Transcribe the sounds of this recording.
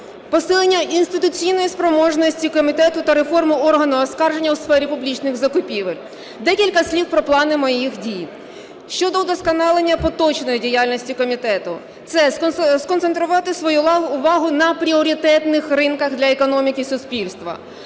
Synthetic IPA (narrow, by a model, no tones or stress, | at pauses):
pɔsɪlˠenʲːɐʔinst̪ɪt̪ʊt͡sʲijnɔjispɾɔmɔʒnɔsʲtʲikɔmʲit̪ɛt̪ʊt̪ɐɾefɔrmʊɔrɦɐnʊɐskɑrʒenʲːɐwsfɛɾʲipʊblʲit͡ʃnɪɣzɐkʊpʲiʋelʲ | d̪ɛkʲilʲkɐsʲlʲiwpɾɔplˠɑnɪmɔjixdʲij | ʃt͡ʃɔd̪ɔd̪ɔskɔnɑlˠenʲːɐpɔt̪ɔt͡ʃnɔjidʲijalʲnɔsʲtʲikɔmʲit̪ɛt̪ʊ̰ | t̪sɛskɔnt̪ent̪ɾʊʋɑt̪ɪsʋɔjulˠɑɦʊːʋɑɦʊnɐpɾʲiɔɾʲit̪ɛt̪nɪxrɪnkɐɣd̪lʲɐekɔnɔmʲikisʊspʲilʲst̪ʋɐ̰